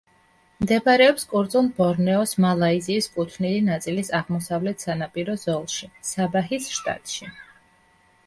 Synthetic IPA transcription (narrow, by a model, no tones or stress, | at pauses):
md̪ɛbaɾɛɔpskʼuɾd̪sʼulˠbɔɾnɛɔsmalˠaiziːskʼut̪ʰnilinat̪sʼilisaʁmɔsavlɛt̪ʰsanapʼiɾɔzɔlˠʃisabaɦisʃt̪ʼa̰t̪ʼʃi